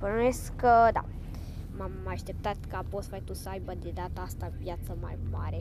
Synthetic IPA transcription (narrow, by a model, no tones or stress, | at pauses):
pəɾneskəd̪a̰ | mamːaʃt̪ɛp̚t̪at̪kaposfajt̪usajbəd̪id̪at̪ast̪apjat͡sama̰ɾma̰ɾɛ